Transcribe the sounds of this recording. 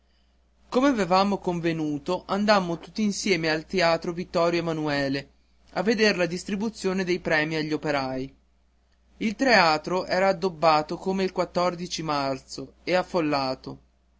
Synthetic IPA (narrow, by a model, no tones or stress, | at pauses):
komeavevaːmokoɱvenuːt̪oʔand̪amːot̪u̥t̪ːiinsjɛːmealt̪eaːt̪ɾovit̪ːɔːɾjoemanuɛːle | a̰vːed̪eɾlad̪ist̪ɾibut̪sːjoːned̪ejpɾɛːmiaʎːopeɾaj | ilt̪ɾeaːt̪ɾoʔɛːɾaːd̪ːobːaːt̪okoːmeilkwat̪ːɔrd̪it͡ʃimart̪soeafːolːaːt̪o